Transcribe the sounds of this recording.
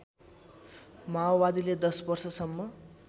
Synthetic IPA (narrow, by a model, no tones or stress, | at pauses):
mabad̪iled̪ʌsbʌrsʌsʌmːʌ